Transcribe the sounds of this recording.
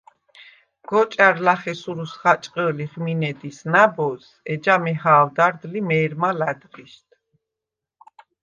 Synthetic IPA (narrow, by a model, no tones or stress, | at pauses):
ɡ̥ɔt͡ʃʼaɾlaχɛsuɾusχat͡ʃʼqʼəliʁminɛd̪isnabɔs | ɛd͡ʒamɛɦaːld̪aɾd̪limɛːɾmalad̪ʁiʃt̪ʰ